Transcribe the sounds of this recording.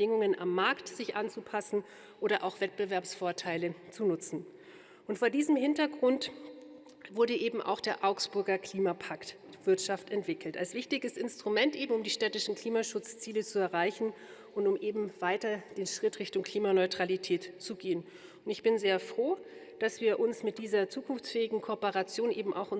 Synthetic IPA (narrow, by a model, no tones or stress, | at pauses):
ə̥ɪŋʊŋənʔa̰mːaɐktz̥ɪçʔant͡supʰasn̩ | ʔoːɾɐʔaʊxv̥ɛt̚b̥əvɛɐpsfoːɐtʰaɪlət͡sunʊt͡sn̩ | ʔʊntfoːɐdiːzəmɦɪntɐɡʁʊnt | v̥ʊɐɾəʔeːbm̩ʔa̰ʊxd̥eːɐʔaʊksb̥ʊɐɡɐkl̥iːmapʰakt | v̥ɪɐtʃaftɛntv̥ɪkl̩ta̰lsv̥ɪçtɪɡəsɪnstʁ̥umɛntʔeːbm̩ʊmdiːʃtɛtɪʃn̩kl̥iːmaʃʊt͡st͡siːlət͡suɛɐʁaɪçn̩ | ʔʊntʊmʔeːbm̩v̥aɪtɐd̥eːnʃʁ̥ɪtʁɪçtʊŋkʰl̥iːmanɔʏtʁ̥alitʰɛːtt͡suɡeːən | ʊntɪçb̥ɪnzeːɐfʁ̥oː | d̥asv̥iːɐʔʊnsmɪt̚d̥iːzɐt͡suːkʰʊnft͡sfɛːɪɡŋ̩kʰopəʁat͡sjoːnʔeːbm̩a̰ʊxʔʊ